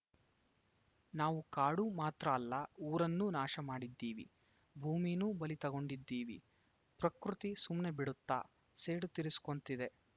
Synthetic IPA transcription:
naːʋukaːɽumaːt̪ɾɐːlːɐuːɾɐnːunaːʃɐmaːɽid̪ːiːʋḭ | bʱuːmijnubɐlit̪ɐɡo̞ɳɖid̪ːiːʋḭ | pɾɐkɾut̪isumne̞biɽut̪ːa̰ː | seːɽut̪iɾisu̥ko̞nt̪id̪e̞

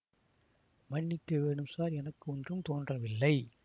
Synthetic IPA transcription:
mɐɳːɪkːɐʋeːɳɯmsaːɾɛnɐkːɯɔndrɯmt̪oːndrɐʋɪlːɐɪ

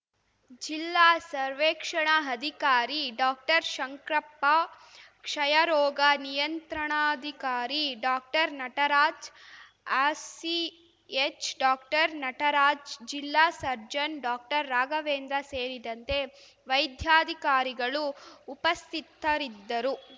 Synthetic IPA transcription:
d͡ʒilːaːsɐɾʋeːkʂɐɳɐɦɐd̪ʱikaːɾiɖaːk̚ʈɐɾʃɐŋkɾɐpːa | kʂɐjɐɾɔːɡɐnijɐnt̪ɾɐɳaːd̪ʱikaːɾiɖaːk̚ʈɐɾnɐʈɐɾaːd͡ʒ | aːsi | et͡ʃɖaːkʈɐɾnɐʈɐɾaːd͡ʒd͡ʒilːaːsɐɾd͡ʒɐnɖaːk̚ʈɐɾːaːɡɐʋeːnd̪ɾɐseːɾid̪ɐnt̪e̞ | ʋɐjd̪ʱjaːd̪ʱikaːɾiɡɐɭuːpɐst̪ʰit̪ːɐɾid̪ːɐɾu

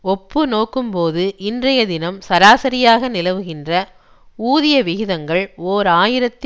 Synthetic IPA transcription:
ɔpːɯnoːkːɯmpoːðɯʔɪndrɐjɐðɪnɐmsɐɾaːsɐɾɪjaːɣɐnɪlɐʋɯɣɪndrɐ | uːðɪjɐʋɪɣɪðɐŋɡɐɭoːɾaːjɪɾɐt̪ː

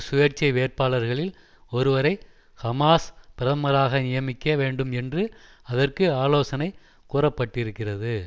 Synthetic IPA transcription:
sʊjɐɾt͡ʃɐɪʋeːrpaːɭɐɾɣɐɭɪl | ɔɾɯʋɐɾɐɪ | kɐmaːspɪɾɐɐmɐɾaːɣɐnɪjɐmɪkːɐʋeːɳɖɯmɛndrɯ | ɐðɐrkɯaːloːsɐnɐɪ | kuːrɐpːɐʈːɪɾɯkːɪrɐðɯ

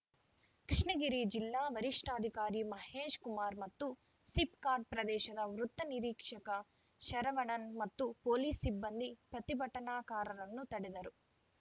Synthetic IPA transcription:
kɾiʂɳɐɡiɾid͡ʒilːaːʋɐɾiʂʈaːd̪ʱikaːɾimɐheːʂkumaːɾmɐt̪ːu | sipkaːɾɖ̚pɾɐd̪ɛːʃɐd̪ɐʋɾut̪ːɐniɾiːkʂɐkɐ | ʃɐɾɐʋɐɳɐnmɐt̪ːupoːliːsːibːɐnd̪ipɾɐt̪ibʱɐʈːɐnaːkaːɾɐɾɐnːut̪ɐɽid̪ɐɾu

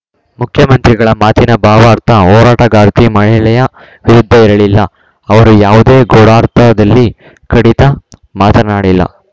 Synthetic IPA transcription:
mukʰjɐmɐnt̪ɾiɡɐɭɐmaːt̪inɐbaːʋaːɾt̪ʰɐɦɔːɾaːʈɐɡaːɾt̪imɐɭɛlɛjɐ | ʋiɾud̪ʱːɐiɾɐɭilːɐ | ɐʋɐɾujaːʋud̪e̞ːɡoɽaːɾt̪ʰɐd̪ɐlːi | kɐɽit̪ɐmaːt̪ɐnaːɽilːɐ̰

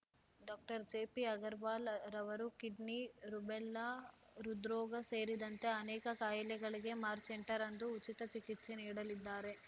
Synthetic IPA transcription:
ɖaːk̚ʈɐɾd͡ʒeːpiɐɡɐɾʋaːlɾɐʋɐɾukiɖniɾubɛlːɐ | ɾud̪ɾɔːɡɐseːɾid̪ɐnt̪e̞ɐnɛːkɐkaːjɐlɛɡɐɭiɡe̞maːɾseɳʈɐɾɐnd̪uːt͡ʃit̪ɐt͡ʃikit̪se̞niːɽɐlid̪ːaːɾe̞

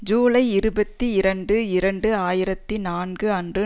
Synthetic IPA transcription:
d͡ʒuːlɐɪɪɾɯbɐt̪ːiɪɾɐɳɖɯɪɾɐɳɖɯaːjɪɾɐt̪ːinaːnɡɯɐndrɯ

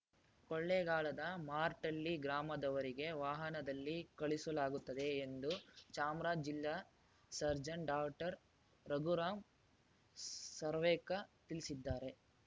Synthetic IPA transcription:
kɔɭːeɡaːɭɐd̪ɐmaːɾʈɐlːiɡɾaːmɐd̪ɐʋɐɾiɡe̞ʋaːɦɐnɐd̪ɐlːikɐɭisɐlaːɡut̪ːɐd̪e̞ːnd̪ut͡ʃaːmɾaːd͡ʒd͡ʒilːa | sɐɾd͡ʒɐɳɖaːkʈɐɾ | ɾɐɡuɾaːm | sɐɾʋɛːkɐt̪ilisid̪ːaːɾe̞

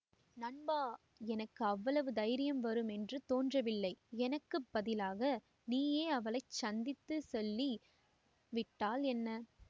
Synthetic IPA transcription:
nɐɳbaː | ɛnɐkːɯɐʋːɐɭɐʋɯd̪ɐjɾɪjɐmʋɐɾɯmɛndrɯt̪oːndrɐʋɪlːɐɪɛnɐkːɯpːɐðɪlaːɣɐ | niːjeːɐʋɐɭɐɪt͡ʃɐnd̪ɪt̪ːɯsɔlːi | ʋɪʈːaːlɛnːɐ

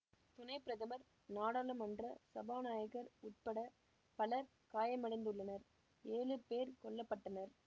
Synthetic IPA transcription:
t̪ʊnɐɪpːɪɾɐðɐmɐɾ | naːɽaːlɐmɐndrɐsɐbaːnaːjɐɣɐɾʊʈ̚pɐɽɐ | pɐlɐɾ | kaːjɐmɐɽɐɪnd̪ɯɭːɐnɐɾ | eːɻɯpeːɾkɔɭːɐpːɐʈːɐnɐɾ

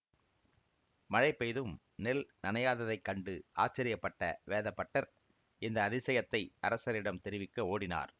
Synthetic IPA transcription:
mɐɻɐɪpːɐjðɯm | nɛlnɐnɐjaːðɐðɐɪkːɐɳɖɯʔa̰ːt͡ʃːɐɾɪjɐpːɐʈːɐ̰ʋeːðɐpːɐʈːɐɾ | ɪnd̪ɐːðɪsɐjɐt̪ːɐɪʔɐɾɐsɐɾɪɽɐmt̪ɛɾɪʋɪkːɐoːɽɪna̰ːɾ

